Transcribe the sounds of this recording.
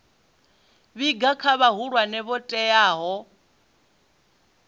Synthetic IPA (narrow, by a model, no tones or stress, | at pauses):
βiɡakʰaβaɦuɺwanɛβɔtʼɛjaːɦɔ